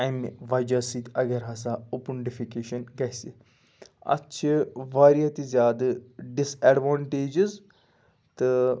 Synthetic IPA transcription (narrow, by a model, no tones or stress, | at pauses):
ɐjmʋɐd͡ʒaːsit̪ɐɡɐɾɦɐs̬aupunɖifikeːʃɐnɡɐjsi | ɐ̰tːʃʰiʋaːɾijat̪izjaːd̪ɖiseɖʋaːɳʈeːd͡ʒiz | t̪ɨ